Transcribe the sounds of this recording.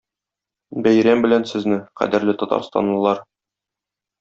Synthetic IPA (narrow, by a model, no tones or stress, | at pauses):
bæjɾæmbɘ̆lænsɘ̆znɘqæ̰d̪ɘ̆ɾlɘt̪ɒt̪ɑ̰ɾst̪ɑ̰nlˠɤ̆lˠɑɾ